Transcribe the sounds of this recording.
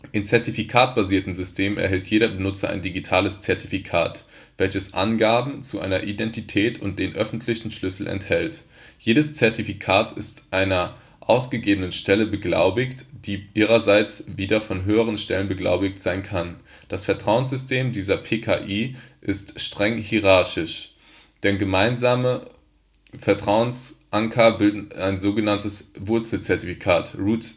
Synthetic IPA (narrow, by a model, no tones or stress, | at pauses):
ʔɪnt͡sɛɐtifikʰaːt̚b̥aziːɐtn̩zʏstʰeːməmɛ̰ɐɦɛltʰjeːɾɐbənʊt͡sɐʔa̰ɪndiɡitʰaːləst͡sɛɐtifikʰa̰ːtv̥ɛlçəsʔa̰nɡaːbm̩t͡suʔa̰ɪnɐʔidɛntitʰɛːtʰʊ̰nt̚d̥eːnʔœfn̩tʰlɪçn̩ʃlʏsl̩ʔɛ̰nthɛlt | jeːɾəst͡sɛɐtifikʰaːtʰɪ̰stʔaɪnɐ | ʔaʊsɡ̥əɡeːbənənʃtɛləbəɡla̰ʊbɪçtd̥iːʔiːʁ̞ɐzaɪt͡sviːdɐfɔnɦøːəʁ̞ənʃtɛlənbəɡla̰ʊbɪçtz̥aɪnkʰand̥asfɛɐtʁ̥aʊənsz̥ʏstʰeːmdiːzɐpʰeːkʰa̰ʔiːʔɪstʃtʁ̥ɛŋɦiʁaɐʃɪʃ | d̥ɛnɡəmaɪnzaːmə | fɛɐtʁ̥aʊənsʔaŋkʰɐbɪldn̩aɪnzoːɡənantəsvʊɐt͡sl̩t͡sɛɐtifikʰaːtʁuːt